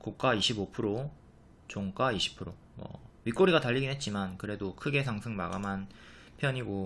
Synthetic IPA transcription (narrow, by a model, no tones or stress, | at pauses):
kok̚k͈aiɕʰibopʰɯɾo | t͡ɕoŋk͈aiɕʰi̥pʰɯɾo | mʌ̰ɥik͈oɾiɡataʎːiɡinɦet̚t͡ɕ͈imankɯɾe̞dokʰɯɡe̞sʰaŋsʰɯŋmaɡaman | pʰjʌɲiɡo